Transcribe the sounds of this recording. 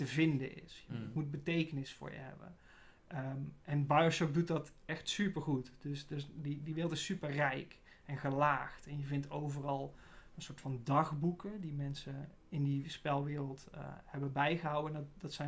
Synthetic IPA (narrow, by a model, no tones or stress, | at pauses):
təvɪndə̰nɪ̰sjəmut̚bətejkənɪsfʊ̰ːɹjə̰ɦɛ̰bə̰n | ʔɛnbajoʃɔk̚dut̚dɑtɛxtsypəɹχutdɵsdəsdidiʋɪːrəlˠtɪsypərɛjk | ɛnɣəlaːxtɛnjəvɪntowvərɑlˠ | ənsoːɹtfɑndɑχbukədimɛnsə | ɪndispɛlˠʋɪːrəlˠthɛbəbɛjχəɦɑwəndɑtsɛ